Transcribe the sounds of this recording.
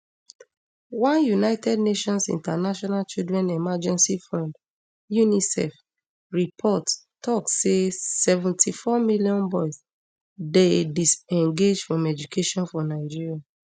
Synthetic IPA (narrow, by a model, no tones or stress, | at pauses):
wãnjunaɪtɛdneʃɔ̃nsḭ̃ntanaʃɔnalt͡ʃildɹɛ̃nɛmad͡ʒɛ̃nsifɹãnd | junisɛ̰f | ɹipʰɔt | tɔksesɛvɛ̃ntʰifɔmiljɔ̃nbɔɪs | dedisɛ̃ŋɡed͡ʒfɹɔ̃mɛd͡ʒukʰeʃɔ̃nfɔ̃naɪd͡ʒiɹia